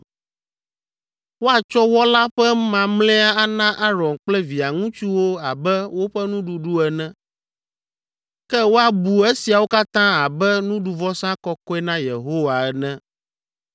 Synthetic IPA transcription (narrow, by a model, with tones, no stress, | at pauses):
wo˦a˨t͡ʃɔ˦wɔ˦la˦ɸɛ˦mã˨mlɛ̃˦a˦a˦nã˦ʔa˦ɾɔ̃˨nk͡plɛ˦vi˨a˨ŋũ˦t͡ʃu˦wo˦a˨bɛ˦wo˦ɸɛ˦nũ˦ɖu˦ɖu˦ɛ˨nɛ̃˦ | kɛ˦wo˦a˨bu˨e˦si˨a˨wo˦ka˦t̪ã˦a˨bɛ˦nũ˦ɖu˨vɔ˦sã˦kɔ˦kɔ˦ɛ˦nã˦je˨ɦo˦wa˨ɛ˨nɛ̃˦